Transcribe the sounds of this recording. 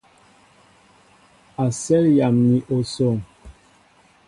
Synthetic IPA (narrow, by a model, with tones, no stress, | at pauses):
a˨sɛ˦lja˨mni˨ʔo˨so˦˨ŋ